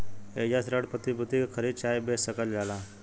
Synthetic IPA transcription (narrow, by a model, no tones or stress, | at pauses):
ed͡ʒasɾəɽpət̪ibut̪ikkʰəɾid̪t͡ʃaːjbessəkəld͡ʒaːla